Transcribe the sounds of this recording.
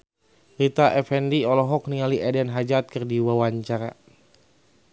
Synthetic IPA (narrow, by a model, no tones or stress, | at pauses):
rit̪aʔɛfɛndiɔlɔɦɔk̚niŋaliʔɛdɛnɦad͡ʒat̪̚kɨrdiwawaɲt͡ʃaɾa̰